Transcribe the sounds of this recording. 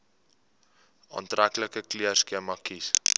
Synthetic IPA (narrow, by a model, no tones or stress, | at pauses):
ɑ̰ːntrækləkəkliərskiəmɑkis